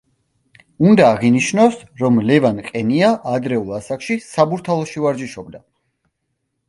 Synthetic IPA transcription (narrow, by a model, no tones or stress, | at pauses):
und̪aːʁiniʃnɔs | ɾɔmlɛvanqʼɛniaʔad̪ɾɛulˠasakʃisabuɾt̪ʰalˠɔʃivaɾd͡ʒiʃɔbd̪a